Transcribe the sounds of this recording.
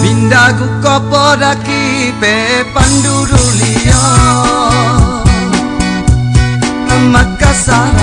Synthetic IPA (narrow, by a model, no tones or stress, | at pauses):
minɖaɡukɔpɔɾakipɛpaɳɖuɾuliɔ | amːakːasa